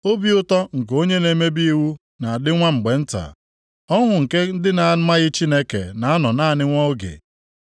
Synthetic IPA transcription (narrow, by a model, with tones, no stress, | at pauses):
o˦bi˦ʊ˦tɔ˦ŋ̩˨ko˦ɲe˦ne˨˦me˦bi˦i˦wu˦ | na˨a˨dɪ˦ŋʷa˦ŋ͡m̩˨ɡ͡be˨n̩˦ta̰˨ | ɔ˦ɦʊ˨ŋ̩˨ke˦n̩˦dɪ˦na˨˦ma˦ɣɪ˦t͡ʃi˦ne˦kḛ˨na˨a˦nɔ˨na˦˨nɪ˦ŋʷɔ˦ɡḛ˨